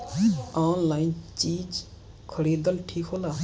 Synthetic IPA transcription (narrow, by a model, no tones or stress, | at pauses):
aːnlaːint͡ʃiːd͡ʒ | kʰəɽiːd̪əlʈʰiːkʰɦoːlaː